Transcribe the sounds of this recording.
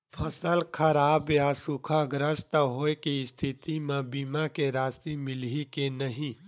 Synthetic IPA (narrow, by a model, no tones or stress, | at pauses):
pʰəsəlkʰəɾaːbjasukʰaɡɾəst̪əɦoːekist̪ʰit̪imẽbiːmakeɾaːst̪imɪlikenəɦĩ